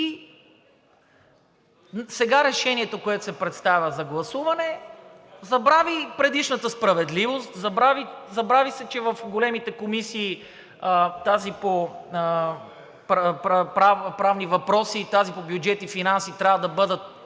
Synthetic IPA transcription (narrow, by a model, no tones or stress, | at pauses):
i | sɛɡaɾɛʃɛniɛt̪okoɛt̪o̥sɛpɾɛt̪st̪avʲəzɐɡlˠɐsuvɐnɛ | zɐbɾavipɾɛd̪iʃnət̪əspɾɐvɛd̪livost̪zɐbɾavizɐbɾavisɛt͡ʃɛvɐfɡolɛmit̪ɛkomisiː | ət̪azipoə | pɾppɾavpɾavnivɐpɾɔsit̪azipobjud͡ʒɛt̪ifinansit̪ɾʲavəd̪ɐbɤd̪ət̪̚